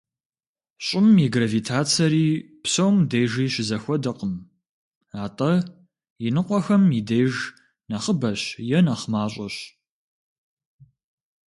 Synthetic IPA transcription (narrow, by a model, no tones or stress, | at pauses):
ɕʼɪmiɡraviːtʰaːt͡sʰɐɾiː | psɐwmdeːjʒiːɕɪzɐxʷɔdɐqəm | aːtʼɐ | jinɨqʷʼɔxɐmidejʒ | naχəbɐɕjɛnaχmaːɕʼɐɕ